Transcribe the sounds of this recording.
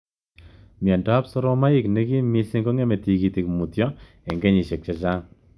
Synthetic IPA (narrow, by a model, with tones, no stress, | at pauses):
mi˨a˨nda˦psɔ˦ɾɔ˦ma˦ɪ˦˨knɛ˦ki˦mi˦sɪ˦ŋɡɔ˦ŋɛ˦mɛ˨ti˨ki˨ti˨kmu˨tjɔ˦ | ɛ˨ŋɡɛ˦ɲi˨ʃɛ˨k̚t͡ʃa˨t͡ʃa˦ŋ